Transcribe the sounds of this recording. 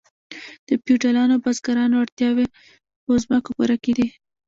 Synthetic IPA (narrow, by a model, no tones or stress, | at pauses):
d̪̥əpjuʈalɑnobazɡaɾɑnoaɽt̪jɑwe | əzməkopuɾaked̪i